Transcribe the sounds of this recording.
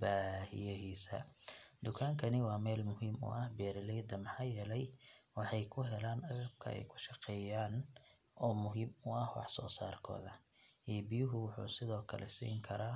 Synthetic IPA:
baːhɪ̰jɐɦiːsɐ̰d̪ʊkʰaːŋkʰɐnɪwɑːmɛːlmʊɦiːmʊ̰ʔɐhbɛːɾɪlɛjd̪ɐmɑħɑːjɛːlɛjwɑħɑjkʰʊɦɛlaːnʔɐɣɐb̚kʰɐ̰ɛ̰jkʰʊ̥ʃɑqɛːjaːn | ɔːmʊɦiːmʊɐhwɑ̰ħsɔːsa̰ːrkʰɔ̰ːðɐɛːbɪjʊɦʊwʊħṵːsɪðɔːkʰɐlʔɛ̰sḭːŋkʰɐɾaː

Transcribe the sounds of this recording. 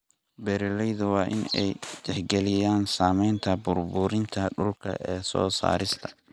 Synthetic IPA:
bɛɾɛlɛjðʊwɑːʔɪ̰nɛjt̪ɛħɡɛlɪjaːnsaːmɛjnt̪ʰɐbʊrbʊɾɪnt̪ʰɐɗʊlkʰɐ̰ʔɛːsɔ̰ːsa̰ːɾɪst̪ʰɐ̥

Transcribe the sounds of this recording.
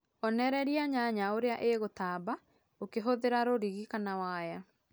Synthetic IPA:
ɔnɛɾɛɾiaɲaɲaoɾeaʔeɣotaːba | okeɦoðeɾaɾoɾiɣikanawaja

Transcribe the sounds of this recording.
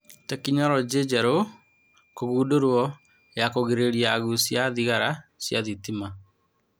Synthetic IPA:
tɛkiɲɔɾɔd͡ʒed͡ʒɛɾo | koɣuːdoɾwɔ | jakoɣeɾeɾiaɣusjaðiɣaɾasjaðitima

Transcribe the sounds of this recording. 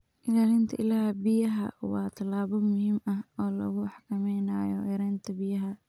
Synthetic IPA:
ʔɪlaːlɪnt̪ʰɐʔɪlaːhbɪjɐɦɐ̰wɑːt̪ʰɐlaːβɔmʊhiːmɐhɔːlɐ̰ɣʊħɑkʰɐmɛjnaːjɔ̰ʔɛɾɛjnt̪ʰɐbɪjɐɦɐ

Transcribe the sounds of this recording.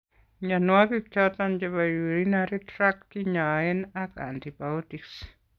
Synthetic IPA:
ɲanoakik̚t͡ʃat̪ant͡ʃeβajuɾinaɾit̪ɾakːiɲaenaka̰nt̪ipaut̪iks

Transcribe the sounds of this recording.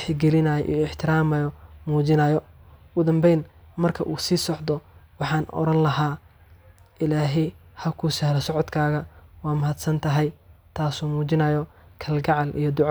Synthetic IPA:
ħɪɡɛlɪnɐjɔ̰ʔḭjɔɪħt̪ʰɪɾaːmɐjɔmuːt͡ʃɪnɐːjɔɡʊd̪ɐmbɛjnmɐrkʰɐʔuːsiːsɔʕd̪ɔwɑħɑːnɔ̰ɾɐnlɐɦaː | ʔɪlaːɦɛjhɐkʰusɛhlɐsɔʕɔd̪kʰaːɣɐwaːmɐɦɐd̪sɐnt̪ʰɐɦɛjt̪ʰaːsuːmuːt͡ʃɪnɐjɔ | kʰɐlɡɑʕɑlʔḭjɔd̪ʊʕ

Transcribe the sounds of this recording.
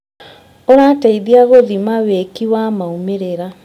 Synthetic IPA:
oɾaːtaiðiaɣoðimawekiwamaumeɾeɾa

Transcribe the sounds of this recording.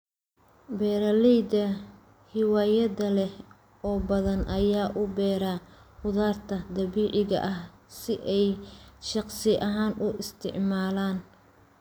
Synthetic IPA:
bɛːɾɐlɛjd̪ɐ | hɪwaːjɐðɐlɛh | ʔɔːbɐðɐnʔɐjaːʔʊbɛːɾaːhʊðaːrt̪ʰɐd̪ɐβiːʕɪɣɐ̰ʔɐhsɪʔɛjʃɑqsɪʔɐɦaːnʔʊʔɪst̪ʰɪ̰ʕmaːlaːn

